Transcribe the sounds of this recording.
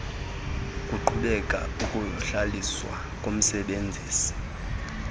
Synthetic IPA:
kʼuǃuɓɛkʼa̰ukʼuɬaliswa̰ | kʼom̩sɛɓend͡zʱiːsi̥

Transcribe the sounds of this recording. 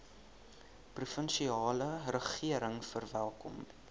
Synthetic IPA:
prufənʃiɑːlərəχiəɾəŋfərvælˠkɔm

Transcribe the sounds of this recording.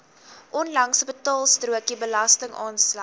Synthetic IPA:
ʔɔnlɐŋsəbətɑːlˠstruəkibəlɐstəŋʔɑːnslɐ

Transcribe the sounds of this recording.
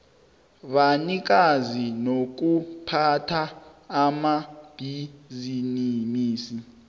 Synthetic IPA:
βanik̬azinok̬upʰatʰaːmab̥ʱizinimiːsi

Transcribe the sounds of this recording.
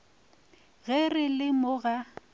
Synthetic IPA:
ɣɛrɪlɪmʊɣa

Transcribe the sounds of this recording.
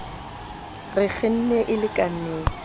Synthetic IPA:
rɪk͡xʰɪn̩nɛʔɪlɪkʼan̩neːt͡s

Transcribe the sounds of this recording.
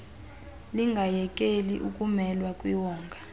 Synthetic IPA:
liŋɡʱajɛkʼeliʔukʼumɛlwakʼwiwɔːŋɡʱa

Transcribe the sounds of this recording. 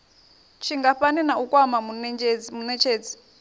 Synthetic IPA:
t͡ʃʰiŋɡaɸanɛnaukʼwamamunɛd͡ʒd͡zmunɛt͡ʃʰeːd͡zi̥

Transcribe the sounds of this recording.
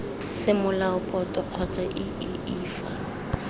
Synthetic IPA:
sɪmʊlaʊpʼɔtʼɔq͡χʰɔt͡sʼaʔɪ | ɪiːfa̰

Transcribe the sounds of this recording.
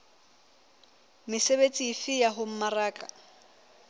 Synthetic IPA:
mɪsebet͡sʼiːfɪjaɦʊm̩maraːkʼa

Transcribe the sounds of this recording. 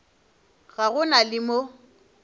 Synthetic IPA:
ɣaɣʊnalɪmo

